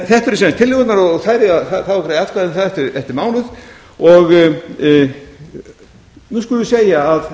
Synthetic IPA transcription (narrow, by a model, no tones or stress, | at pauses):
θɛht̪ʏɾsɛːnst̪ʰɪlːɪɣɔt̪naɾɔɣɣθaːjɾɪaðθaθavakɾaːðjat̪kvaðɪnθaðɛht̪ɪɾɛft̪ɪɾmaːwlʏð | ɔɣ | nuskʏlʏvʏseːjaːð